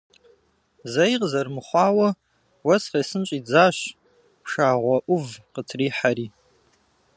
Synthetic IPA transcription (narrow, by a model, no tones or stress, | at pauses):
zɐjqzɐrmɨχʷɑːwɐ | wɐsχɐjsɨnt͡ʃʼiːd͡zaːɕ | pʰʂaːʁʷɔʔʷʊvqətʰriːħaɾiː